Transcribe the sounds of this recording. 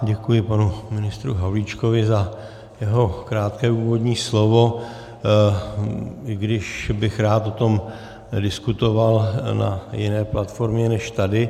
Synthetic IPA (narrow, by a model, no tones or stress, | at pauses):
ɟɛkujɪpanumɪnɪst̪ɾuɦavlit͡ʃkovɪza | jɛɦo̞kɾaːt̪kɛːuːvo̞dɲiːslo̞vo̞ | ɪɡdɪʃbɪxɾaːt̪ot̪o̞m | dɪskut̪o̞valna̰jɪnɛːplat̪fo̞ɾmɲɛnɛʃt̪adɪ